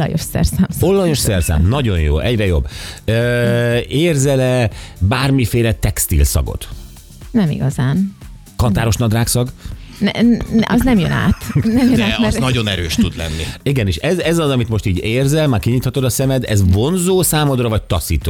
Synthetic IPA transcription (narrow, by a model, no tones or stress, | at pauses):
ɒ̰jo̰ʃsɛ̰rsaːmsolːɒjo̞ʃsɛrsa̰ːmnɒɟo̞njo̰ːɛɟrɛjo̞̰bːøːeːrzɛlɛbaːrmifeːlɛt̪ɛkst̪ḭlsɒ̰ɡo̰t̪ | nɛmḭɡɒzaːn | kɒnt̪aːɾo̞ʃnɒd̪raːksɒɡnɛʔɒznɛmjøna̰ːt̪nɛmjød̪ɛːɛnɒɟo̞nɛɾøːʃt̪ud̪lɛ̰nːḭiɡɛnieːʃɛzɛzɒzɒmit̪mo̞ʃt̪iːɟeːrzɛlmaːrkiɲiːt̪hɒt̪od̪ɒsɛmɛd̪ɛ̰zvo̞nzoːsaːmo̞d̪rɒvɒc̚t̪ɒsiːt̪oː